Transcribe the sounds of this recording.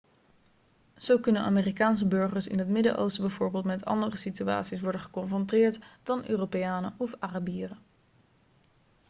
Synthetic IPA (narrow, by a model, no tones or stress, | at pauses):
z̥owkɵnəna̰ːmeːrikaːnsəbɵɹχəɹsɪ̰nɦətmɪdə̰ʔo̰wstbɛjvoːɹbeːlˠtmɛtʰɑ̰ndərəsitya̰ːtsisʋɔɹdənχə̥kɔnfrɔntɪːɹtd̥ɑnø̰ːropejaːnə̰ʔɔfarabiːrə